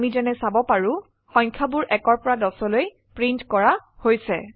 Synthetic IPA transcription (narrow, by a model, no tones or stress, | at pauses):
mizɛnɛsabɔpaɹʊ̃ | xɔɲkʰabʊɹʔɛkɔɹpɔɹadɔsɔloj | pɹintkɔɹahojsɛ